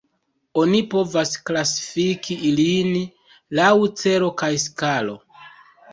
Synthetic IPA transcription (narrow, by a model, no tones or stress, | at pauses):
o̞nipo̞vasklasi̥fikiilin | lawt͡se̞ɾo̞kajskalo̞̰